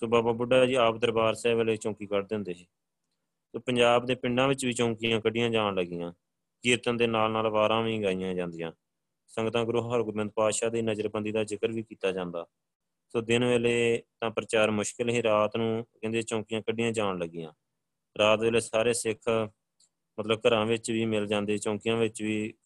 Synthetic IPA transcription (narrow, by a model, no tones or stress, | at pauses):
soːbaːbaːbʊɖaːd͡ʒiːaːp̚d̪əɾbaːɾsɛːʋeːleːt͡ʃɔ̃ːkiːkəɾd̪ɪ̃nd̪eːɦeː | soːpə̃ɲd͡ʒaːbd̪eːpɪɳɖãːʋɪt͡ʃʋiːt͡ʃɔ̃ːkɪjãːkəɖɪjãːd͡ʒaːɳləɡɪjãː | kiːɾt̪ə̃nd̪eːnaːlnaːlʋaːɾãːʋĩːɡaːijãːd͡ʒãːnd̪ɪjãː | səŋɡt̪ãːɡɾʊɦɦəɾɡɾmɪ̃nd̪̚paːʃaːd̪iːnəd͡ʒəɾbənd̪iːd̪aːd͡ʒɪkəɾʋiːkiːt̪aːd͡ʒãːnd̪aː | soːd̪ɪnʋeːleːt̪ãːpɾət͡ʃaːɾmʊʃkɪlɦiːɾaːt̪nũːkɛ̃ːnd̪eːt͡ʃõːkɪjãːkəɖɪjãːd͡ʒaːɳləɡɪjãː | ɾaːt̪ʋeːleːsaːɾeːsɪkʰ | mət̪ləb̚kəɾãːʋɪt͡ʃʋiːmɪld͡ʒãːnd̪eːt͡ʃõːkɪjãːʋɪt͡ʃʋiː